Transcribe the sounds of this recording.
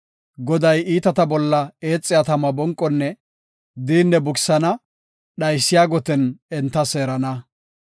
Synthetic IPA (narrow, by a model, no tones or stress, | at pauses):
ɡɔd̪ɐjiːt̪ɐt̪ɐbɔlːɐeːt͡sʼːɪjaːt̪ɐmɐbɔŋkʼːɔnːɛ | d̪iːnːɛbʊksɐnɐ | ɗɐjsːɪjaːɡɔt̪ɛnɛnt̪ːɐseːɾɐnɐ